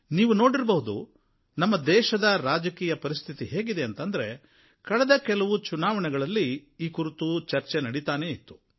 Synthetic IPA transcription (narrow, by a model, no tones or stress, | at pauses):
niːʋuno̞ːɽiɾbɐɦud̪ṵ | nɐmːɐd̪ɛːʃɐd̪ɐɾaːd͡ʒɐkiːjɐpɐɾist̪ʰit̪iɦeːɡid̪e̞ɐnt̪ɐnd̪ɐɾe̞ | kɐɭɛd̪ɐkɛlɐʋut͡ʃunaːʋɐɳɛɡɐɭɐlːiiːkuɾit̪ut͡ʃɐɾt͡ʃenɐɽit̪aːne̞it̪ːu̥